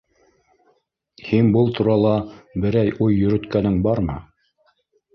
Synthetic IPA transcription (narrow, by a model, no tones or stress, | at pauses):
hiŋbɤlˠt̪ʰuɾɑlˠɑbɘ̆ɾæjʔujːɵ̆ɾɵ̆t̪kænɘŋbɑɾmɤ̰